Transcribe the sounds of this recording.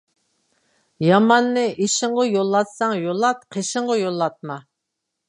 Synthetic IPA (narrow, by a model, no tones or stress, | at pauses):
jɑmɑnːɨʔeʃɪɴʁʊjolˠːɑt̪sɑŋjolˠɑt̪̚qʰeʃɪɴʁɑjolˠːɑt̪̚mɑ